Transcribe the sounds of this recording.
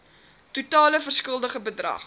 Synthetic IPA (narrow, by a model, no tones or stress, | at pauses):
tutɑːləfərskəlˠdəχəbədrɐ̰χ